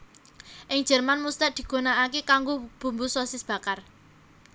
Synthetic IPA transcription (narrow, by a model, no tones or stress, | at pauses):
ʔɪŋ̥ʒ̥ɛ̤rmanmust̪ad̪̥i̤ɡ̥o̤naakekaŋɡob̥ṳmbusɔsɪsb̥ä̤kar